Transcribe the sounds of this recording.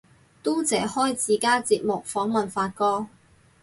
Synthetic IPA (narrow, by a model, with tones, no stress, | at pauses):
t̪u˥t͡sɛː˨˥hɔː˥jt͡siː˨˩kaː˥t͡siː˧p̚mʊ˨k̚fɔː˨˥ŋmɐ˨nfaː˧t̚kɔː˥